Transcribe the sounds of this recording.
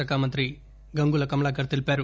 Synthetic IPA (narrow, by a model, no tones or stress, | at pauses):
ɐkaːmɐnt̪ɾi | ɡɐŋɡuːlɐkɐmɭaːk̬ɐɾt̪ilpaːɾu